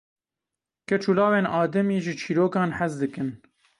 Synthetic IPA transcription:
kɛt͡ʃʰuːlɑːweːnʔɑːd̪ɛmiːʒɨt͡ʃʰiːɾoːkɑːnħazd̪ɨkɨn

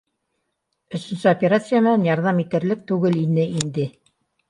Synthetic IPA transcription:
ɵ̆sɵ̆nsɘopʲeɾat̪sɨjamɘnænjɑɾðɑmit̪ɘ̆ɾlɘk̚t̪ʉɡɘlinɘind̪ɘ

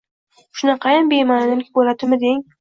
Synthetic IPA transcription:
ʃʊnɑqʰɑjɪnbemanɪnɪlkʲbolat̪ɪmɪd̪eɪŋ

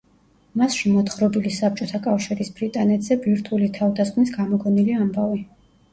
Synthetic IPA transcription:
masʃimɔt̪χɾɔbilisap̚t͡ʃʼɔt̪ʰakʼafʃiɾisb̥ɾit̪ʼanɛt̪ʰz̥ɛbiɾt̪ʰulit̪ʰavd̪asχmnisɡamɔɡɔniliambavi

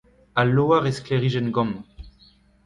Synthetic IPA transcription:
aloːaʁeskleʁiʒɛnɡɔ̃m

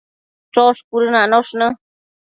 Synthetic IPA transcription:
ʈ͡ʂoʂkuɾɨnãnoʂnə̃

